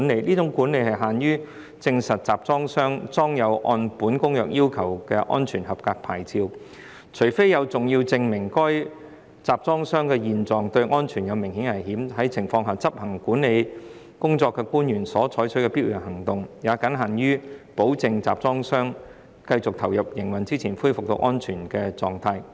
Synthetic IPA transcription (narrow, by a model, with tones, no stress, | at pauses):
ne˨˧jliː˥t͡sʊ˨˥ŋkuː˨˥nle˧jhɐ˨jɦaː˨njyː˥ | t͡sɪ˧ŋsɐ˨t̚t͡saː˨p̚t͡sɔː˥ŋsœː˥ŋt͡sɔː˥ŋjɐ˨˧wʔɔ̰ː˧npuː˨˥nkʊ˥ŋjœː˨k̚jʔiː˥wkʰɐ˨˩wkɛː˧ʔɔ̰ː˥nt͡ʃʰyː˨˩nɦɐ˨p̚kaː˧k̚pʰaː˨˩jt͡siː˧w | t͡ʃʰɵ˨˩fe˥jɐ˨˧wt͡sʊ˨ŋji˧wt͡sɪ˧ŋmɪ˨˩ŋkɔː˥j | t͡saː˨p̚t͡sɔː˥ŋsœː˥ŋkɛː˧jiː˨˧nt͡sɔː˨ŋt̪ɵ˧ɥŋɔː˥nt͡ʃʰyː˨˩njɐ˨˧wmɪ˨˩ŋhiː˨˥nhɐ˨˩jɦiː˨˥mhɐ˨˥jt͡sʰɪ˨˩ŋfɔː˧ŋɦaː˨t͡sɐ˥p̚hɐ˨˩ŋkuː˨˥nːe˨˧j | kʊ˥ŋt͡sɔː˧kːɛː˧kuː˥njyː˨˩nsɔː˨˥t͡ʃʰɔː˨˥jt͡ʃʰɵ˥kɛː˧piː˥wjɐ˨˩nhɐ˨˩ŋt̪ʊ˨ŋjaː˨˧kɐ˨˥nɦaː˨˩njyː˥po˨˥wt͡sɪ˨˧ŋt͡sa̰ː˨p̚t͡sɔː˥ŋsœː˥ŋ | kɐ˧jt͡sʊ˨k̚t̪ʰɐ˨˩wjɐ˨p̚jɪ˨˩ŋwɐ˨˩nt͡siː˥t͡sʰiː˨˩nfuː˥jfʊ˨k̚t̪o̰˧wʔɔː˥nt͡ʃʰyː˨˩nkɛː˧t͡sɔː˧ŋt̪ʰaː˧j